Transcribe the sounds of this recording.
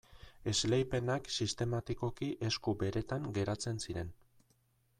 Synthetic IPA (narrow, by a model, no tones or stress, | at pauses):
e̞zlejpe̞naksist̪e̞mat̪iko̞kiʔe̞skube̞ɾe̞t̪aŋɡe̞ɾat͡se̞nsiɾe̞n